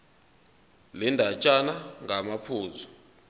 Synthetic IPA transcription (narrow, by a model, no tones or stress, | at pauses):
lɛndʱat͡ʃʼanaŋʱamapʰuːzɔ̥